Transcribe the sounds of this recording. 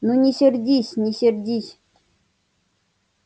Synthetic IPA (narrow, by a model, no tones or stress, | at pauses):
nunʲɪsʲɪrʲdʲisʲnʲɪsʲɪrʲdʲisʲ